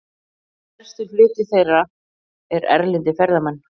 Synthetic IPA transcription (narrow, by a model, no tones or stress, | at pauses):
ɛɾ̥st̪ʏflɪːt̪ɪθejra | ɛɾɛ̰ɾlɪnt̪ɪfɛɾðamanː